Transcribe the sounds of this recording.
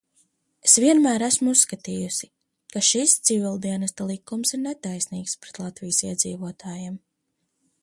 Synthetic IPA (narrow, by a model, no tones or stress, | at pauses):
esviɛnmæːɾæsmuusːkat̪iːjusi | kaʃist̪sivʲilˠd̪iɛnɛst̪alˠikːumsiɾnet̪ajsniːkspɾet̪lˠat̪vijəsiɛd̪ziːvuɔt̪ʰaːjam